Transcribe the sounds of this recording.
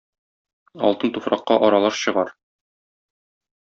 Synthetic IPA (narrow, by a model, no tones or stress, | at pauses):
ɒ̰lˠt̪ɤnt̪ufɾɑqːɑʔɒɾɑlˠɑɾɕɤ̆ʁɑɾ